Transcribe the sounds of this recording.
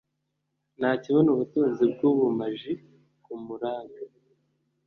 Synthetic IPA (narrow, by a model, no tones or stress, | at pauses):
naːciβonuβutuːnzib̚ɡuβumaʒi | kumuɾaːŋɡa